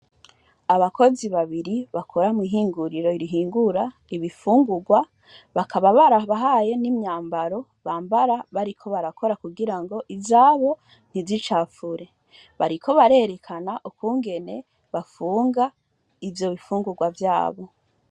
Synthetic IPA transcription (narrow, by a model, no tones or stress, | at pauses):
aβako̞ziβaβiɾiβakʰo̞ɾamwiɦiːŋɡuɾiɾo̞iɾiɦiːŋɡuɾa | iβifuːŋɡuɡwa | βakʰaβaβaɾaβaɦaje̞nimɲaːmbaɾo̞ | βaːmbaɾaβaɾikʰo̞βaɾakʰo̞ɾakuɡiɾaŋɡo̞ʔivaːβo̞ | n̥izit͡ʃaːfuɾe̞ | βaɾikʰo̞βaɾe̞ːɾe̞kʰanaʔukuːŋɡe̞ne̞ | βafuːŋɡa | ivjo̞βifuːŋɡuɡwavjaːβo̞